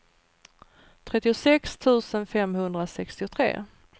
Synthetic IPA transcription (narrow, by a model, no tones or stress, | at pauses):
t̪ʰɾɛt̪ːɪʊsɛkst̪ʰʉ̟ːsənfɛmhɵnd̪ɾasɛkst̪ɪʊt̪ʰɾḛː